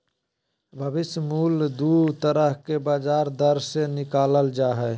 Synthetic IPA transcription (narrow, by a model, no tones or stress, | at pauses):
bʱəbɪsjmuːld̪ut̪əɾəɦkebaːd͡ʒaːɾd̪əɾsenɪkaːləld͡ʒaːɦɛ